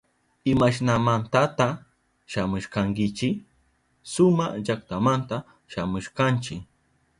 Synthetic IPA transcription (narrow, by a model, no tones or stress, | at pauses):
ɪmaʃnamant̪at̪a | ʃamʊʃkaŋkɪt͡ʃɪ | sʊmad͡ʒakt̪amant̪a | ʃamʊʃkant͡ʃɪ